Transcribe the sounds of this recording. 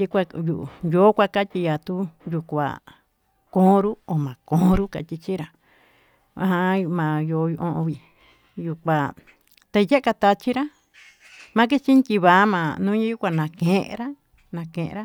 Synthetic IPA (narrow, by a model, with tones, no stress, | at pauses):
tʲi˧kʷa˧ju˧˨ʔjo˨˦kʷa˧ka˦t̪ʲi˧ja˨t̪u˦ju˧kʷa̰˨ | kõː˦ɾu˦o˨mã˨kõː˦ɾu˦ka̰˨t̪ʲi˧t͡ʃi˦ɾa˨ | a˧ɦã˧mã˨jo˨˧˦ju˧ʔõ˧ʔõ˧βi˨ | ju˧kʷa˨ | t̪e˧je˦ka˧t̪a˧t͡ʃi˦ɾa˦ | mã˧˦k̬i˦t͡ʃi˦ntʲi˧βa˨˦mã˧nũː˦ɲĩ˦ju˦kʷa˧nã˨kẽ˨ʔɾa˦ | nã˧kẽ˨ʔḛ̃˧ɾa˦